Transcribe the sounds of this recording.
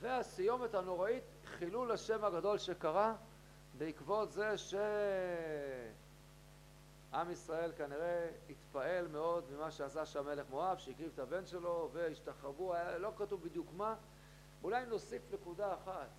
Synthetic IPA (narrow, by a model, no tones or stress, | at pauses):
ve̞asijo̞me̞thano̞ʁait̪ | χilulaʃe̞mhaɡado̞lʃe̞kaʁa | beikvo̞t̪ze̞ʃe̞ | ʔamisʁae̞lkaniʁe̞it̪pae̞lme̞o̞dmimaʃeasaʃame̞le̞χmo̞avʃeikʁivtabe̞nʃe̞lo̞ve̞iʃtaχvuajalo̞katuvbid̪jukma | ulajimno̞sifnekudaːχat